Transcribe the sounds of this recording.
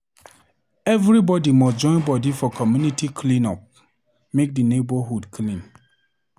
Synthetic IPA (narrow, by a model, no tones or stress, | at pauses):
ɛvɹibɔdimɔsd͡ʒɔ̃ɪ̃nbɔdifɔkʰɔmjunitikʰlĩnɔp̚ | mek̚dinebɔɦudkʰlĩn